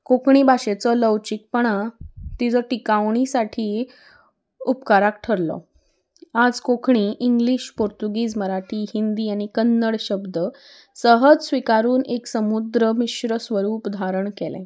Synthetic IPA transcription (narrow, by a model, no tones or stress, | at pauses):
kokʰɳiːbʱaɕet͡sələwt͡ɕik̚pəɽ̃at̪it͡səʈikaʋɳ̃isaʈʰiː | upkaɾak̚ʈʰəɾlɔ̰ | ad͡zkokʰɳiːʔiŋɡliɕpoɾt̪uɡiːd͡zməɾaʈʰiːhind̪iːaɽ̃ikənːəɽɕəbd̪ə | səɦəd͡zsʋikaɾuːneksəmud̪ɾəmiɕɾəsʋəɾuːpd̪ʱaɾəɳkɛlɛ̰̃